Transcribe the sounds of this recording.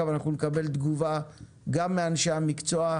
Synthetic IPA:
avanaχnunekabe̞ld̪ɡuva | ɡamːeanʃeamikt͡soa

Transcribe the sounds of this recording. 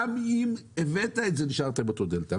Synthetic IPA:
mimevetaetzeniʃaʁt̪embet̪od̪elt̪a

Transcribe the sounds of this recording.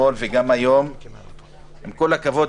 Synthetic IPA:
olveɡamajom | hemkolakavo̞d

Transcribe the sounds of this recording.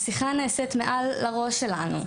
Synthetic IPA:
siχaneːset̪meʔalːaʁo̞ʃelanṵ

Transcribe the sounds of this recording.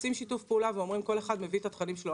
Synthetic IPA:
simʃitufpeulaveo̞mʁimko̞le̞χad̪me̞vit̪at̪χanimʃlo

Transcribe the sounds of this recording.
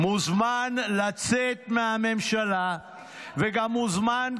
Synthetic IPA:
muzmanlat͡set̪mehame̞mʃala | veɡamːuzman

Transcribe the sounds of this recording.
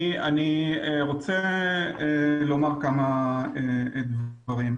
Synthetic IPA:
anieʁo̞t͡seelo̞maʁkamaed̪v | aʁim

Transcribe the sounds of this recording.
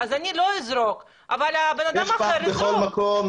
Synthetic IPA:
azaniloizɾo̞k | ʔa̰valabenad̪ammaeɾeχolmakom

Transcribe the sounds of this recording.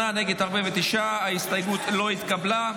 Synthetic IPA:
aneɡe̞d̪aʁbevet̪iʃaaist̪ajɡut̪lo̞it̪kabla

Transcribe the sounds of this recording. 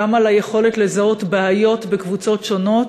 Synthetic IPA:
amalajeχo̞let̪lezao̞tbaajo̞t̪bekvut͡so̞tʃo̞no̞t

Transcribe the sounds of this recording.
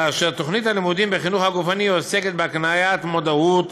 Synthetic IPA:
aʃeat̪o̞χnit̪halimud̪imbeχinuχhaɡufaniose̞ket̪̚beaknajat̪mo̞d̪aut̪

